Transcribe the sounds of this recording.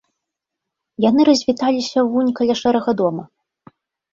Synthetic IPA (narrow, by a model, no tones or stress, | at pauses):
jan̪ɨɾɐzʲvʲit̪alʲisʲɐvunʲkalʲaʂɛɾɛɣɐd̪ɔmɐ